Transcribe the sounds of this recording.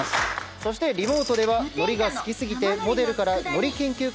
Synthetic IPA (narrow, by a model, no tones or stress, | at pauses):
asɨ̥so̞ɕi̥t̪e̞ɾʲimo̞ːt̪o̞d̪e̞βano̞ɾʲiɡasɨ̥kʲisɨɡʲit̪e̞mo̞d̪e̞ɾɯ̟kaɾano̞ɾʲikẽ̞ŋkʲɨː